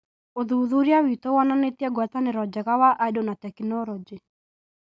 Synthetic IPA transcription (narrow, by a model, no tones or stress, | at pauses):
oðuðuɾjawit̪owananet̪jɛɡwat̪anɪɾɔd͡ʒaɣawaʔaidonatɛkinɔlɔd͡ʒi